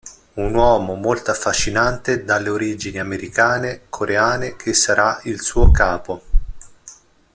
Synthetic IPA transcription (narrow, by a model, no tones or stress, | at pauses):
unwɔːmomolt̪oafːaʃːinant̪ed̪alːeoɾid͡ʒiniameɾikaːnekʰoɾʔeaːnekʰesːaɾʔailsuːokaːpo